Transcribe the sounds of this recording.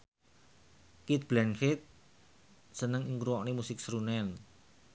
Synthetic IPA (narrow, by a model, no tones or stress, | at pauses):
kit̪̚b̥lɛnfɪt̪̚ | sənəŋiŋɡɾuwɔʔnimusɪk̚sɾunɛn